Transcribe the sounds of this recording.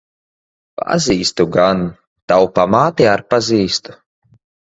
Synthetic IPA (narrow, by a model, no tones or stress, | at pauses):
pa̰ziːst̪uɡan | t̪awpamaːt̪iaɾpaziːst̪u̥